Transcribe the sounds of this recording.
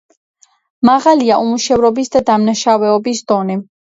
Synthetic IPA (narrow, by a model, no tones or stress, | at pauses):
maʁaliaʔumuʃɛvɾɔbisd̪ad̪amnaʃavɛɔbisd̪̥ɔnɛ